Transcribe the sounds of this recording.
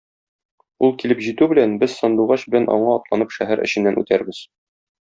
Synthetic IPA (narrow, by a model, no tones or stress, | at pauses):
ulˠkilɘpʑit̪ʉbɘ̆lænbɘz̥sɒ̆nd̪uʁɑɕbɘ̆lænʔɒ̰ɴɑɒt̪lˠɑnɤpʃæɦæɾʔɘ̰̆ɕɘ̆nːænʉ̰t̪æɾbɘz̥